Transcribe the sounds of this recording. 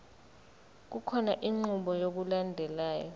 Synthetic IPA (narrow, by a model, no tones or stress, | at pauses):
k̬ukʰɔnaʔiŋ͡ǀuɓɔjok̬ulandʱɛlaːjɔ̰